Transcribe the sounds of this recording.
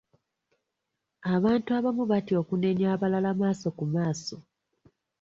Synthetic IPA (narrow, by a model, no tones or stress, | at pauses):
aβaːntuaβamuβatio̞kune̞ɲjaːβalalamaːso̞kumaːso̞